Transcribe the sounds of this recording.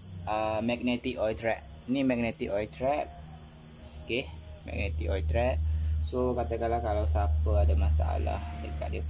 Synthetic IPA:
ʔəmɛk̚nɛt̪iʔɔjt̪ɾɛʔ̚ | nimɛk̚nɛt̪iʔɔjt̪ɾɛt̪̚ | okemɛ̰k̚nɛt̪ikɔjt̪ɾɛt̪̚sokat̪akalahkalawsapəadamasa̰a̰la̰hsə̰ka̰ʔdə

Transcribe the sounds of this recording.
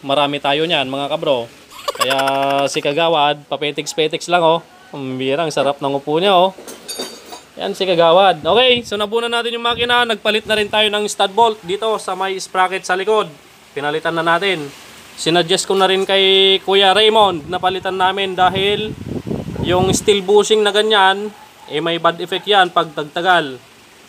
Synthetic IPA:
mɐɾaːmɪt̪aːjoɲanmɐŋakɐbɾo̞ | kɐjaʔsɪkɐɡaːwad̪̚pɐpɛːt̪ɪkspɛːt̪ɪkslaŋo̞ | mbiːɾaŋsɐɾap̚nɐŋʊpuːɲaʔo | ja̰nsɪkɐɡaːwad̪̚ʔoːkɛjsonɐbuːnɐnaːt̪ɪnjʊŋmaakɪnanɐɡ̚pɐlɪt̪̚nɐɾɪnt̪aːjo̞nɐŋst̪ad̪̚bolt̪̚d̪iːt̪o̞sɐmɐjɪspɾaːkɛt̪̚sɐlɪko̞d̪̚ | pɪnɐlɪt̪anːɐnaːt̪ɪn | sɪnɐd͡ʒɛskonɐɾɪnkɐjkuːjaɾɛjmo̞nd̪̚nɐpɐlɪt̪anːaːmɪnd̪aːɦɪl | jʊŋst̪ɪlbuːsɪŋnɐɡɐɲan | ʔɛmɐjbad̪ɛfɛk̚t̪janpɐɡ̚t̪ɐɡ̚t̪ɐɡal

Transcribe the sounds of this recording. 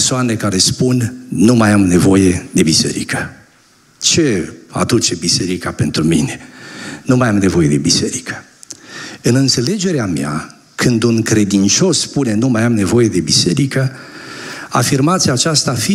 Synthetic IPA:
soanekaɾe̞spunnumajamne̞vo̞je̞d̪e̞bise̞̰ɾikə | t͡ʃe̞a̰d̪ut͡ʃe̞bise̞ɾikape̞nt̪ɾumḭne̞numajamne̞vo̞je̞d̪e̞bise̞ɾikə̥ | ɨnɨnt̪se̞le̞d͡ʒe̞ɾeamea̰ | kʰɨnd̪unkɾe̞d̪int͡ʃo̞spune̞numajamne̞vo̞je̞d̪e̞bise̞ɾikə | a̰firmat̪siaːt͡ʃast̪afi

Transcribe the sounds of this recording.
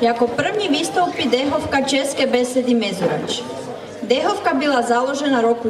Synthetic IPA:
iakopr̩ʋɲiʋist̪owpid̪eɦofkat͡ʃeskebesed̪imezuɾat͡ʃ | d̪exofkabilˠazalˠo̞ʒenaɾoku

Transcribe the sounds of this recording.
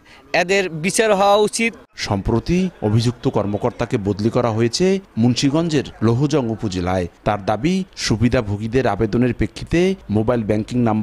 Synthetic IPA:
ɛd̪eɾbit͡ɕaɾɦɔoaut͡ɕit̪ | ʃɔmpɾot̪iobʱid͡ʑuk̚t̪okɔɾmokoɾt̪akebod̪likɔɾaɦojet͡ɕʰemunʃiɡɔnd͡ʑeɾloɦud͡ʑɔŋupod͡ʑelaet̪aɾd̪abiʃubid̪ʱabʱoɡid̪eɾabed̪oneɾpɾekʰːit̪emobajlbɛŋkiŋnamb

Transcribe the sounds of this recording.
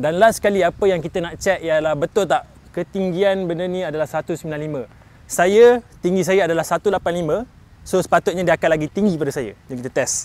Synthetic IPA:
danlahsə̥kaliapəjaŋkit̪ənaʔt͡ʃɛt̪̚jlahbət̪ʊlt̪aʔ | kət̪iŋɡianbəndənĩadalahsəat̪usəmilanlimə̃ | sajət̪iŋɡis̬ajaadalahsat̪ulapanlimə̃ | sosə̥pat̪ʊt̪̚ɲadiakatlaɡit̪iŋɡikəpadasaja̰jaŋkit̪ət̪ɛs

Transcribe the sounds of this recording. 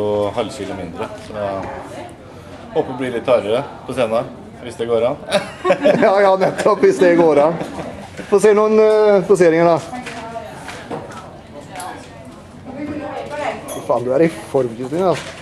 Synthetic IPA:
ʊhɑlːɕiːlʊmɪnd̪ɾəsɔɛ | hoːpːəblɪlɪt̪ʰːɑɾəɾəpʰɔseːnɑ | ʋɪsd̪ɛɡoːɾɑn | jɑːjɑːnɛt̪ʰːɔpːʋɪsd̪ɛɡoːɾɑn | fɔseːnuːənbʊs̬eːɾɪŋəɖɑ | fɪfɑːnd̪ʉæɾɪfɔɾmçɪsɪŋɑs

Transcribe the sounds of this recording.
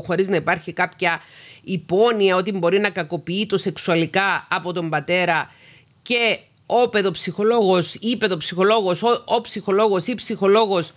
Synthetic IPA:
xo̞ɾiznɐipɐɾçikɐpçɐipo̞niɐo̞t̪̬imbo̞ɾinɐkɐko̞piit̪o̞se̞ksuɐlikɐːpo̞t̪o̞mbɐt̪e̞ɾɐ | ce̞ | ope̞ðopsixo̞lo̞ɣo̞sipe̞ðo̞psixo̞lo̞ɣo̞soopsixo̞lo̞ɣo̞sipsixo̞lo̞ɣo̞s

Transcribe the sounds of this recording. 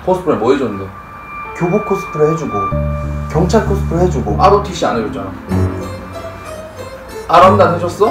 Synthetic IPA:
pʰosʰɯ̥pʰɯɾemʌed͡ʑʌnnde | kjobokʰos͈ʰɯ̥pʰɯɾɯɦed͡ʑuɡokjʌŋt͡ɕʰaɭkʰos͈ʰɯ̥pʰɯɾɯɦed͡ʑuɡoaɾotʰiɕ͈ia̰neɾet̚t͡ɕ͈ana̰ | aɾamdadeɕʰʌs͈ʌ

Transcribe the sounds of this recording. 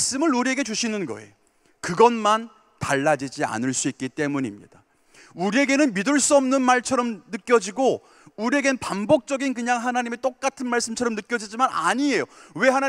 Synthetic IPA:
s͈ɯmɯɭuɾie̞ɡe̞t͡ɕuɕʰinɯnɡʌ̰e̞̰o | kɯɡʌnman | taɭːad͡ʑid͡ʑia̰nɯɭs͈uik̚k͈it͈e̞muɲimɲḭd̥a | uɾie̞ɡe̞nɯnmidɯɭs͈uʌmnɯnmaɭt͡ɕʰʌɾʌmnɯk͈jʌd͡ʑiɡo | uɾie̞ɡe̞nɯnpambok̚t͡ɕ͈ʌɡink̬ɯɲaŋɦanaɲimet͈ok̚k͈atʰɯnmaɭs͈ɯmt͡ɕʰʌɾʌmnɯk͈jʌd͡ʑid͡ʑimana̰ɲie̞jowe̞ɦana

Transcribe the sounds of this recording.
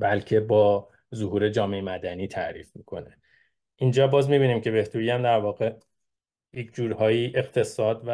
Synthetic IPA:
bælcʰe̞bɒː | zohuːɾe̞d͡ʒɒːme̞emæd̪æniːt̪ʰæ̰ʔɾiːfmikʰo̞̰ne | ʔind͡ʒɒːbɒːzmibiːniːmcʰe̞be̞ht̪ʰuɾiæmd̪æɾvɒːɣe̞ | jekʰd͡ʒuːɾhɒːjiːʔe̞qt̪ʰe̞sɒːd̪væ

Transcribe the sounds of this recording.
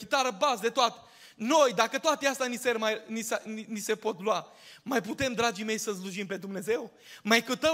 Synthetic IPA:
kʲit̪aɾəbasd̪et̪oat̪e̥ | no̞jd̪akət̪oat̪east̪ʲaniseɾmajnisninise̞po̞t̪lua | majput̪e̞md̪ɾad͡ʒime̞jsəs̬luʒimpe̞d̪umne̞ze̞w | majkut̪ə

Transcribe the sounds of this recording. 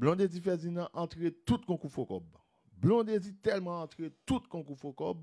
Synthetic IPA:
blɔ̃d̪ezifɛzinãʔɑ̃t̪ʁet̪ut̪̚kɔ̃kufokɔb | blɔ̃d̪ezit̪ɛlmãːt̪ʁet̪ut̪kɔ̃kufokɔb

